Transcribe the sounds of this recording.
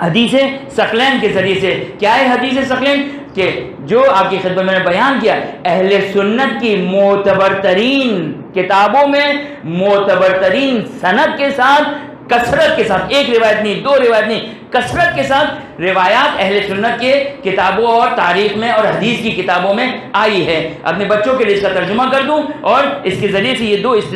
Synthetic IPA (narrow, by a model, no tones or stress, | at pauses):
hɐd̪iːsesɐqlɛːnkezɐɾiesekjaːɦɛɦɐd̪iːs̬esɐqlɛːn | ke | d͡ʒoːaːp̚kixɪd̪̚mət̪mɛːnebɐjaːnkijaɛɦlesʊnːət̪kimʊːt̪əbəɾt̪əɾiːnkɪt̪aːbõmẽ | mɔːt̪əbəɾt̪əɾiːnsɐnəd̪̚kesaːt̪ʰ | kɐsɾət̪kesaːt̪ʰeːkɾɪʋaːjət̪nɐɦĩd̪oːɾɪʋaːjət̪nɐi | kɐsɾət̪̚kesaːt̪ʰ | ɾɪʋaːjaːt̪ɛɦlesʊnːət̪kekɪt̪aːbõɔːɾt̪aːɾiːxmẽɔːɾɦɐd̪iːskikɪt̪aːbõmẽaːiɦɛ̃ːɐ̰pnebɐtːʃõkelieɪskat̪ɐɾd͡ʒʊmakɐɾd̪ũɔːɾɪskezɐɾiesejed̪oːɪst̪